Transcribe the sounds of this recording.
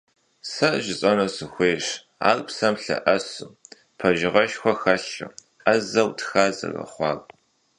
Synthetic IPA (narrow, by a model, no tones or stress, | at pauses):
sɐʔʒɪt͡sʼɐnɐsɨxʷeːʂ | a̰ːkʼpsɐmɬɐ̰ʔɐsu | pʰɐʒɪʁɐʃxʷɔxɐɬɨ̰ | ɐzɐwtʰxaːzɐ̰rɐ̰χʷɑːkʷʼ